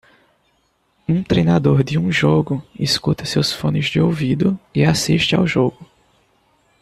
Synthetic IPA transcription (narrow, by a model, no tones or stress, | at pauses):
ũt̪ɾejnad̪oɾd̪ɪũʒoɡʊiskut̪ɐsewsfõnɪzd͡ʒɪowvid̪ʊɪasiʃt͡ʃɪa̰wʒoɡʊ